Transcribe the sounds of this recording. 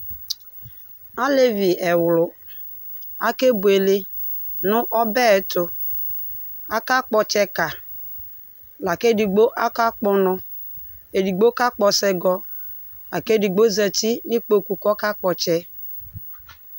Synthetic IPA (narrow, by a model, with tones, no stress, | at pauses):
a˦le˦vi˨ɛ˨wʊ˨lʊ˨ | a˦ke˦bu˨e˨le˦ | nʊ˦ʔɔ˦bɛ˦˨˦tʊ˨ | a˦ka˦k͡pɔ˨t͡ʃɛ˦ka˨ | la˨ke˦di˨ɡ͡bo˦ʔa˦ka˦k͡pʊ˦nʊ˦ | e˨di˨ɡ͡bo˦ka˦k͡pɔ˨sɛ˦ɡɔ˦ | la˨ke˦di˨ɡ͡bo˦za˨ti˦ni˦k͡po˦ku˨kɔ˦ka˦k͡pɔ˨t͡ʃɛ˦